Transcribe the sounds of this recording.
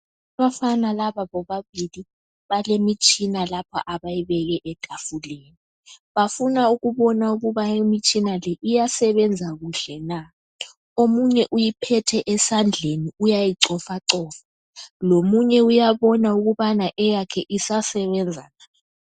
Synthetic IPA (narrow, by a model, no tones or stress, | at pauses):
aβafanalaβaβɔβaβili | βalemit͡ʃʼinalapʰa̰ʔaβajiβɛɣɛʔɛtʼafuleːni | βafunauɣuβɔnauɣuβaimit͡ʃʼinalɛʔijasɛβɛnd͡zʱaɣuɬɛna | omuɲɛʔujipʰɛtʰɛʔɛsand͡ɮʱeniujajiǀɔfaǀɔːfḁ | lomuɲɛujaβɔnauɣuβanaʔɛjakʰɛʔisasɛβɛnd͡zʱa̰na